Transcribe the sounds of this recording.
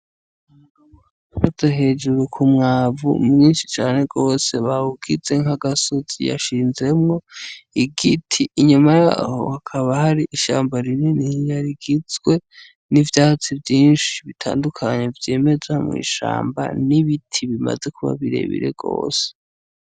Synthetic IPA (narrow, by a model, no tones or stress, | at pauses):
fazeɦe̞ːd͡ʒuɾukʰumŋaːvṵmŋiːnʃi̥t͡ʃaːne̞ɡo̞ːse̞βaβuɡize̞ŋaɡasozḭja̰ʃiːnze̞mŋo̞iɡitʰiːɲumaja̰ho̰hakʰaβahaɾiʔiʃa̰ːmbaɾininijaɾiɡizɡwe̞ | nivjaːhat͡sivjiːnʃiβitʰa̰ːndukʰaɲe̞vje̞ːme̞zamŋḭːʃa̰ːmba̰niβitʰiβima̰ze̞kuβa̰βiɾe̞̰βḭɾe̞̰ɡ̥o̞̰ːse̥